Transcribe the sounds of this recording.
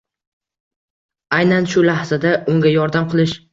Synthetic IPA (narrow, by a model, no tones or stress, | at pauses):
ajnanʃʊlahzad̪aʊŋɡʲajɒɾd̪amqʰɨlˠɪʃ